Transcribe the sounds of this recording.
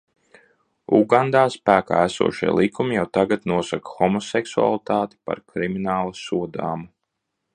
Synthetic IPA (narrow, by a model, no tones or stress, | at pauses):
uɡand̪aːspæːka̰ːæsṵɔʃiɛ̰lˠikʰumijawt̪aɡat̪nuɔsakḁxɔmɔsɛksua̰lˠit̪aːt̪i̥pa̰ɾkɾiminaːlˠasuɔd̪a̰ːmu